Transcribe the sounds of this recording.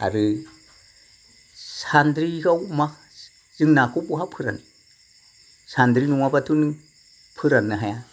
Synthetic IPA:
a̰ɾɯ | sandɾiɡawma | z̥iŋnakʰupuɦapʰɯɾa̰n | sandɾinuŋabatʰun | pʰɯɾanːaɦaja

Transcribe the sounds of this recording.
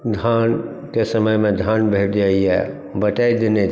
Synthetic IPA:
d̪ʱaːn | kesəməjmẽd̪ʱaːnbʱeːʈd͡ʒaːiɦɛ̰ | bəʈaid̪ene

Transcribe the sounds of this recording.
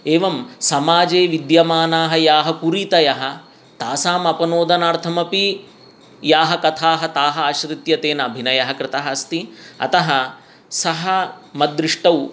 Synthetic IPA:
eːʋɐmsɐmaːd͡ʒeːʋid̪jɐmaːnaːɦɐjaːɦɐkuɾiːt̪ɐjɐɦɐ̆ | t̪aːsaːmɐpɐnoːd̪ɐnaːɾt̪ʰɐmɐpi | jaːɦɐkɐt̪ʰaːɦɐt̪aːɦɐaʃɾit̪jɐt̪eːnɐɐbʱinɐjɐɦɐkɾɪt̪ɐɦɐɐst̪iɐ̰t̪ɐɦɐ | sɐɦɐmɐd̪ɾiʂʈɐw

